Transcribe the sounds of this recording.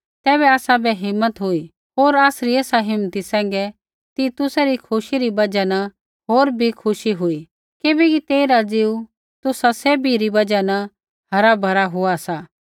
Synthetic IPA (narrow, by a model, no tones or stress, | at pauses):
t̪ɛːβɛaːsabʱɛɦɪmːət̪ɦʊi | ɦoːɾaːsɾieːsaɦɪmːət̪isɛ̃ːŋɡɛ | t̪it̪ʊsaɾikʰʊʃiɾibɐd͡ʒanɐ | ɦoːɾbʱikʰʊʃiɦʊi | kɪbɛkit̪eːiɾad͡ziːu | t̪ʊsaseːbʱiɾibɐd͡ʒanɐ | ɦɐɾabʱɐɾaɦʊasaː